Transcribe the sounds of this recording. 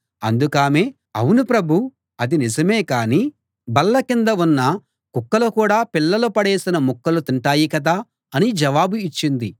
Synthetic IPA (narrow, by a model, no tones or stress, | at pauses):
ɐ̰nd̪ukaːmeː | ɐ̰wunupɾɐbʱu | ɐd̪inid͡ʒɐmeːkaːni | bɐlːɐkind̪ɐunːɐ | kukːɐlɐkuːɽaːpilːɐlupɐɽeːsinɐmukːɐlut̪iɳʈaːjikɐd̪a | ɐnid͡ʒɐʋaːbuit͡ʃːind̪i